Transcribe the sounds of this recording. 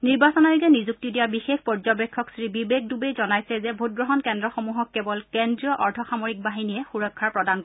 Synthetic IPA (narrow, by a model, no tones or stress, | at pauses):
niɹbasɔnajoɡɛnizuk̚tidijabixexʰpɔɹzɔbɛkʰːɔksɹibibeɡ̚dubejzɔnajsɛzɛbʱot̚ɡɹɔɦɔnkɛndɹɔxomuɦɔkːɛbɔlkendɹijɔʔɔɹtʰɔxamoɹik̚baɦinijɛxuɹɔkʰːaɹpɹɔdank